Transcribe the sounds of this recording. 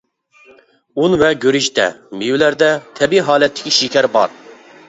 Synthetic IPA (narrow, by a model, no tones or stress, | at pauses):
unvɛɡʲøɾiʃt̪ɛ̰miwlæɾd̪ɛt̪ʰɛbiɦɑːlɛt̪ʰːɪ̥kʲiʃikʲɛɾbɑ̰ɾ